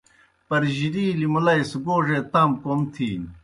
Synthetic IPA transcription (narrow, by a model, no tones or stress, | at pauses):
pɐɾʑiɾiːlimulɐjsuɡoːʐet̪amkomt̪ʰi